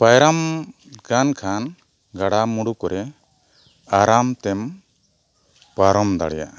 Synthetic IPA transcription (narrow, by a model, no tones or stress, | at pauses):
pajɾam | ɡankʰan | ɡaɽamuɽukɔɾɛ | aɾamt̪ɛm | paɾɔmd̪a̰ɽɛja̰ʔ